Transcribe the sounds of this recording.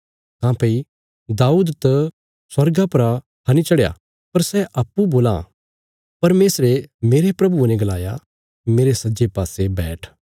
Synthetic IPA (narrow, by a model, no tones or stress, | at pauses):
kãːpɐi | d̪aːuːd̪t̪ɐ | sɐɾɡapɐɾa | hɐnit͡ʃɐɽja̰ | pɐɾsɛʔɐpːuboːlã̰ | pɐɾmeːsɾemeːɾepɾɐbunɛ̃ɡɐlaːja̰ | meːɾesɐd͡ʒepaːsebɛːʈʰ